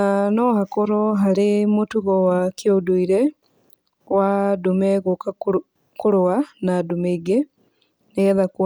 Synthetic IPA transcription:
anohakoɾoɦaɾemotuɣowakjoduiɾe | wadumeɣoka | kuɾowanadumeiɡe | neɛðakw

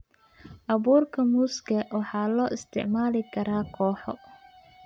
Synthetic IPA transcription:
ʔɑβuːrkʰɐmuːskɐwɑħɑːlɔːʔɪst̪ʰɪ̰ʕmaːlɪkʰɐɾaːkʰɔːħɔ

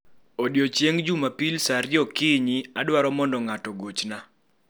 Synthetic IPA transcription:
odjot͡ʃjeŋd͡ʒumapilsaɾjɔkiɲiadwaɾɔmɔndɔŋatɔɡot͡ʃna

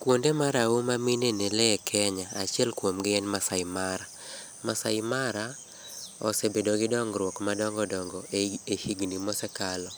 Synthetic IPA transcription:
kwondemaɾaumaminenelɛkʰɛɲaat͡ʃiɛlkwomɡɪɛnmasaɪmaɾa | masajɪmaɾa | ɔ̰sebedoɡɪdɔŋɡɾwɔkmadɔŋɡɔdɔŋɡɔehiɡnimɔsɛkalɔ

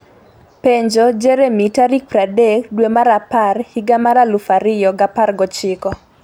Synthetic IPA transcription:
peɲd͡ʒɔd͡ʒeɾemitaɾik̚pɾadekdwemaɾaparhiɡamaɾalufaɾɪjɔɡaparɡɔt͡ʃɪkɔ

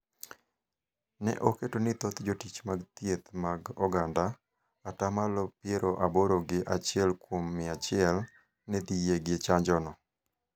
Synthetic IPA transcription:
nɛ̰ʔoketonɪt̪ɔt̪d͡ʒotit͡ʃmaɡt̪jet̪maɡɔɡandaː | tamalɔpjeɾoʔaboɾoɡɪʔat͡ʃɪɛlkwomːɪat͡ʃɪɛl | nɛd̪ijeɡet͡ʃaɲd͡ʒɔnɔ

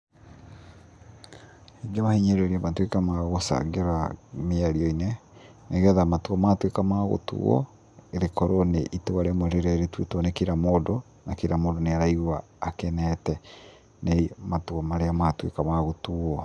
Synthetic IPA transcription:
eŋɡemahiɲeɾeɾeamatwekamaɣosa̰ɡeɾameaɾiɔine | neɣɛðamatwɔmatwekamaɣo̰tṵɔ̰ | eɾekɔɾoneʔitewaɾemoɾeɾaeɾetwetwɔnekiɾamodo | nakiɾamoːdoneaɾaiɣuaː | kɛnɛtɛ | neimatuɔmaɾeamatwekamaɣotuɔ

